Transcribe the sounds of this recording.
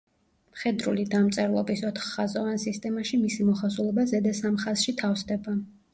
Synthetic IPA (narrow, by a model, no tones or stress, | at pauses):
mχɛd̪ɾṵlid̪amt̪sʼɛɾlˠɔ̰bisɔt̪ʰχːazɔvansist̪ʼɛmaʃimisimɔχasulˠɛbazɛd̪asamχaz̥ʃit̪ʰafsd̪ɛba